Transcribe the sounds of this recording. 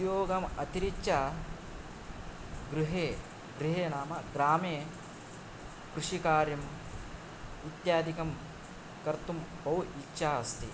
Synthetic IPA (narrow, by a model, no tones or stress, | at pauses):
joːɡɐmɐt̪iɾikːt͡ʃa | ɡɾuɦeː | ɡɾiɦeːnaːmɐɡɾaːmeː | kɾuʂikaːɾjɐm | ʋit̪jaːd̪ikɐm | kɐɾt̪umbɐwʔikʃʰaːɐst̪i